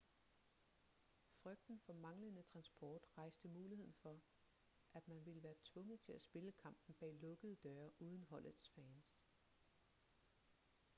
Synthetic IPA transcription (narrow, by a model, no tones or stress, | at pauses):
fʁœɡ̥̚d̥n̩fɒ̽mɑ̈ŋlənət͡sʰʁɑ̈nsb̥ʰɒːd̥ʁɑ̈ɪsd̥əmuːlihe̝ð̞̰ˠn̩fɒ̽ | ʔæd̥mænʋiləʋæːɐt͡sʰʋɔ̽ŋəð̩ˠt͡sʰe̝læsb̥e̝ləkʰɑ̈m̰b̥n̩b̥ɛ̰ːlɔ̽ɡ̥əð̞ˠd̥œɐʔuːð̞ˠn̩ɦɒ̽l̰ʔð̩ˠsfɛːns